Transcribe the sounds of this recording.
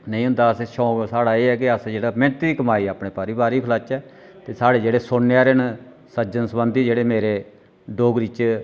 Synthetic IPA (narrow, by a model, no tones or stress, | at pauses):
nəĩːɦʊ̃nd̪aːəseʃɔːsaːɽaːeːɛːk̬ɪəsd͡ʒeːɽaːmɪ̃ɳt̪iːkəmaːiːaːpɳẽːpaːɾiːbaːɾiːpʰəlaːt͡ʃɛː | t̪eːsaːɽeːd͡ʒeːɽeːsonːeaːɾen | səd͡ʒənsəbənd̪iːd͡ʒeːɽeːmeːɾeː | ɖoːɡɾɪt͡ʃ